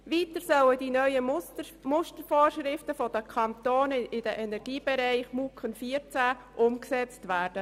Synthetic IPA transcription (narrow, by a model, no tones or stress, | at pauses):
ʋiːtəɾsœwəd̥inœʏə | mʊstəɾfoːrʃɾɪftəfɔd̥əkʰɑnt̪oːnɪd̥əʔɛnɛɾɡ̥iːb̥ɛɾæɪχmukənfiːəɾt͡sæː | ʔʊmksɛt͡stʋæːrd̥ə